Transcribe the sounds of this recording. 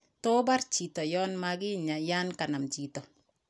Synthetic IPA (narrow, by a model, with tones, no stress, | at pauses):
tɔ˦ba˦ɾt͡ʃi˨tɔ˨jɔ˦nmaɡɪ˦ɲa˨ja˦nka˨na˨mt͡ʃi˨tɔ˨